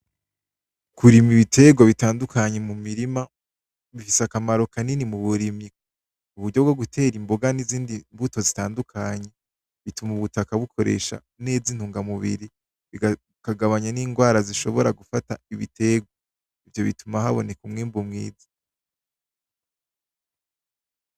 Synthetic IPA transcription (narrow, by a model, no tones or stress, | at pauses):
kuɾimiβitʰe̞ɡwaβitaːndukʰaɲe̞mumiɾima | βifisakamaɾo̞kaninimuβuɾimi | uβuɾɟo̞b̚ɡo̞ɡutʰe̞ːɾimboɡaniziːndimbuto̞zitaːndukʰaɲe̞ | βitumuβutakaβukʰo̞ɾḛʃa̰ | ne̞ːzin̥huːŋɡamuβḭɾi | βi | kaɡaβaɲaniːŋɡwaːɾaziʃo̞βo̞ɾaɡufataiβḭtʰe̞ɡwa | ivjo̞βitumahaβo̞ne̞kumŋiːmbumŋḭːzi̥